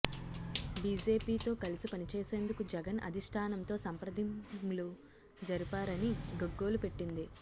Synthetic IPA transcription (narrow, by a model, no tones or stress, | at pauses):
biːd͡ʒe̞ːpiːt̪o̞ːkɐlisipɐnit͡ʃeɛːse̞ːnd̪ukud͡ʒɛɡɐnʔɐ̰d̪ʱiʂʈʰaːnɐmt̪o̞ːsɐmpɾɐd̪ʱimlu | d͡ʒɐɾipaːɾɐniɡoɡːo̞ːlupe̞ʈːind̪i